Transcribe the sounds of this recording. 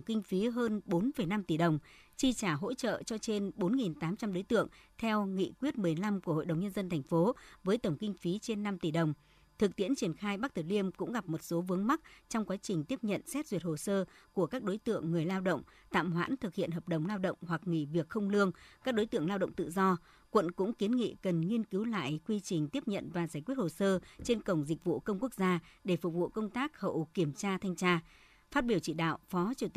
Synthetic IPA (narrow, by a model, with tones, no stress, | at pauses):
ŋ͡mkï˧ŋ̟fi˨˦ɦəː˧nɓo˨˦nfə˨˩jna˧mt̪i˧˩ɗə˨˩wŋ͡m | t͡ɕi˧t͡ɕaː˧˩ɦo̰˧˥t͡ɕə̰ː˧˨t͡ɕɔ˧t͡ɕe˧nɓo˨˦nŋi˨˩nt̪aː˨˦mt͡ɕa˧mɗo˨˦jt̪ɨ̰˧˨əŋt̪ʰɛ˧wŋḭ˧˨kwi˦˥ət̚mɨ˨˩əjla˧mku˧˩əho̰˧˨jɗə˨˩wŋ͡mɲə˧nzə˧nt̪ʰɛ˨˩jŋ̟fo˨˦vəː˨˦jt̪ə˧˩ŋ͡mkï˧ŋ̟fi˨˦t͡ɕe˧nːa˧mt̪i˧˩ɗə˨˩wŋ͡m | t̪ʰɨ˨˩k̚t̪i˧˥ənt͡ɕi˧˩ənxaː˧jɓa˦˥k̚t̪ʰɨ˧˩li˧əmkʊ̰˧˥ŋ͡mɣa˨˩p̚mo˨˩t̚so˨˦vɨ˨˦əŋma˦˥k̚t͡ɕɔ˧wŋ͡mkwaː˨˦t͡ɕï˨˩ŋ̟t̪i˦˥əp̚ɲə̰˧˨nsɛ˦˥t̚zwi˨˩ət̚ho˨˩səː˧ku˧˩əkaː˦˥k̚ɗo˨˦jt̪ɨ̰˧˨əŋːɨ˨˩əjlaː˧wɗə̰˧˨wŋ͡mt̪a̰ː˧˨mhwa̰ː˧˥nt̪ʰɨ˨˩k̚hḭ˧˨ənɦəː˨˩p̚ɗə˨˩wŋ͡mlaː˧wɗə̰˧˨wŋ͡mhwa˨˩k̚ŋḭ˧˩vi˨˩ək̚xə˧wŋ͡mlɨ˧əŋkaː˦˥k̚ɗo˨˦jt̪ɨ̰˧˨əŋlaː˧wɗə̰˧˨ŋ͡mt̪ɨ̰˧˨zɔ˧ | kwə̰˧˨nkʊ̰˧˥ŋ͡mki˨˦ənŋḭ˧˨kə˨˩nŋi˧ənki˨˦wla̰ː˧˨jkwi˧t͡ɕï˨˩ŋ̟t̪i˦˥əp̚ɲə̰˧˨nvaː˨˩zaː˧˩jkwət̚ho˨˩səː˧t͡ɕe˧nkə˧˩wŋ͡mzi˨˩k̚vṵ˧˨kə˧wŋ͡mku˦˥ək̚zaː˧ɗe˧˩fʊ˨˩k͡p̚vṵ˧˨kə˧wŋ͡mt̪aː˦˥k̚hə̰˧˨wki˧˩əmt͡ɕaː˧t̪ʰa˧jŋt͡ɕaː˧ | faː˦˥t̚ɓi˧˩əwt͡ɕḭ˧˨ɗa̰ː˧˨wfɔ˨˦t͡ɕi˧˩